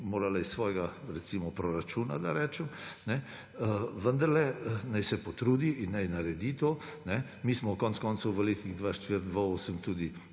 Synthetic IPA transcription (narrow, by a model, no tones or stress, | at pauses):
moːɾalaissːʋɔːjɛɡaɾɛsiːmɔpɾɔɾat͡ʃuːna̰d̪aɾɛːt͡ʃəmnɛ | ʋənd̪aɾlɛnajsɛpɔt̪ɾuːd̪iʔinːajnaɾɛd̪it̪oːnɛ | miːsmɔkɔntskɔnsuʋəleːt̪niɣd̪ʋaʃt̪ʋiɾd̪ʋaoːsəmt̪uːd̪i